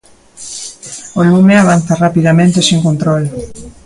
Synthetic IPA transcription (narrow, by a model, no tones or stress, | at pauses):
olumeaβ̞an̟θarapiðamẽnt̪esiŋkont̪ɾol